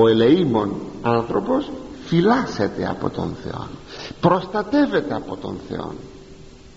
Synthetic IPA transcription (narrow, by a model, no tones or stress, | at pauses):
oeleimonant̪ɾoposfilaset̪ea̰po̰t̪o̰nθjo̰npɾost̪at̪evet̪apot̪o̰n̟θj̰o̰n